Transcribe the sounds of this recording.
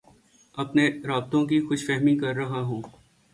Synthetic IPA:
ɐpneɾaːb̚t̪õkixʊʃfɛɦmĩkɐɾːɐɦaɦũː

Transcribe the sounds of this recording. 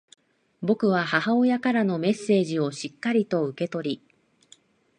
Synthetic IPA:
bo̞kɯ̟βahaɦao̞jakaɾano̞me̞sːe̞ːʑio̞ɕikːaɾʲit̪o̞ɯ̟ke̞t̪o̞ɾʲi

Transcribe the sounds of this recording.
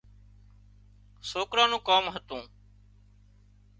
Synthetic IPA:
soːkɾãːnũːkaːmɦət̪ũː

